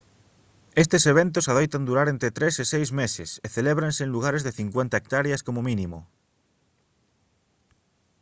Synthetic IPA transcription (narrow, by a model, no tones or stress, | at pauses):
est̪eseβ̞ent̪̬osaðojt̪and̪uɾaɾent̪ɾet̪ɾesesejzmesɪseθeleβɾansẽːnluɣ̞aɾezðeθiŋkwent̪aek̚t̪aɾjaskomominimʊ̰